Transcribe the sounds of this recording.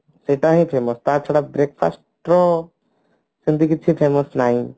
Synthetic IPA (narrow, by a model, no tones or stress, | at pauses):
seʈãɦĩpʰeːmɔst̪aːt͡ʃʰɐɽabɾek̚pʰa̰sʈɾɔ | sind̪ikit͡ʃʰipʰemɔsnaĩ